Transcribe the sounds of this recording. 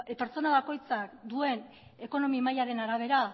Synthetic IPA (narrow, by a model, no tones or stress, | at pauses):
peɾt͡so̞naβ̞ako̞jt͡sakd̪ue̞n | e̞ko̞no̞mimajaɾe̞naɾaβ̞e̞ɾa